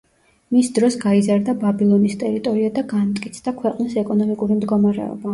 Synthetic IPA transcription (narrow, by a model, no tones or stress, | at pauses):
misd̪ɾɔsɡaizaɾd̪ababilˠɔnist̪ʼɛɾit̪ʼɔɾiad̪aɡant̪ʼkʼit̪sʰd̪akʰwɛqʼnisɛkʼɔnɔmikʼuɾimd̪ɡɔmaɾɛ̰ɔ̰ba